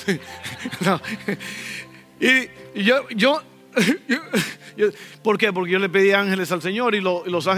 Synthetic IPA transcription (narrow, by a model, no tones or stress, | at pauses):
no | ijoʝo | opo̞ɾke̞p̬o̞ɾkeʝo̞lep̬eðiaŋhe̞lesalse̞ɲo̞ɾiloilos̬aŋ